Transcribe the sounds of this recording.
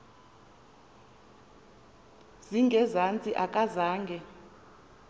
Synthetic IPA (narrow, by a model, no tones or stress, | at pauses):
z̥iŋɡʱɛzant͡sʼiʔakʼazaːŋɡʱɛ